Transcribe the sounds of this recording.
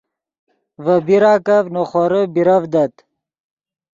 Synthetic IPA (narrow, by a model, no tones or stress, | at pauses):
vəbiɾaːkɐvnoχoɾəbiɾɐvd̪ɐt̪